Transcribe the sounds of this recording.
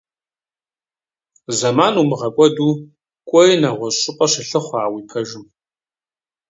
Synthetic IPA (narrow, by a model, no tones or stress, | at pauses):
zɐmaːnuːmɨʁɐkʷʼɔduː | kʷʼɔjnaʁʷɔɕɕʼɪqʼɐʂɪɬɨχʷaːwiːpʰɐʒum